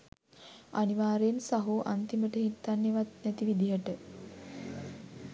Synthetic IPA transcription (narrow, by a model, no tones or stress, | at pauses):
aniʋaːɾensaɦuʔant̪iməʈəɦit̪ːanːeʋat̪nɛt̪iʋid̪iɦəʈə